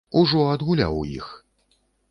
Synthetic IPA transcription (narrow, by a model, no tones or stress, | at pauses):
uʐɔɐd̪ɣulʲa̰wujḭx